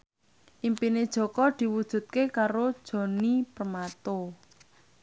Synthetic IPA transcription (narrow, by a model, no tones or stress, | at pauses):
ʔimpined̥ʒ̥ɔ̤kɔd̪̥i̤wud̥ʒ̥ṳt̪̚kekaɾod̥ʒ̥ɔ̤nipərmat̪o